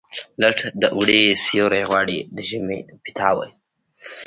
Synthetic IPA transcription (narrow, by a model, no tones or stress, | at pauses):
laʈd̪əʔuɽesjoɾeɣwɑːɽid̪əʒɪmepɪ̥t̪ʰɑwə̰j